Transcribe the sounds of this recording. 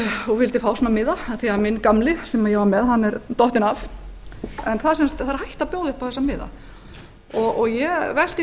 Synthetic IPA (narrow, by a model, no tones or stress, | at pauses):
uvɪlt̪ɪfaːwsnamɪːðaaθiamɪnkamlɪsɛmaðjɛvamɛðɦanːɛɾt̪ɔht̪ɪnaf | ɛnθaðsɛmst̪θaɾhajht̪apjoːwðɪhpawθɛsːamɪːða̰ | ɔɣɔɣjɛvɛl̥t̪ɪ